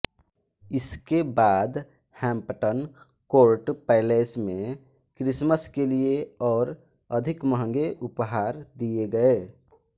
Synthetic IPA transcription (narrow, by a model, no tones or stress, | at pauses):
ɪskebaːd̪ | hɛ̃mpəʈən | koːɾʈpɛɪlesmẽ | kɾɪsməskelieɔːɾ | əd̪ʱɪkməɦə̃ŋɡeʔʊpɦaːɾd̪ieɡəe